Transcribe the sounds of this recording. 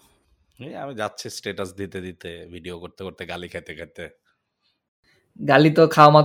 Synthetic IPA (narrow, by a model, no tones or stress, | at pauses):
ɦia̰mid͡ʑatːɕʰisʈeʈasd̪it̪ed̪it̪ebʱiɖiokoɾt̪ekoɾt̪eɡalikʰet̪ekʰet̪e | ɡalit̪okʰaoma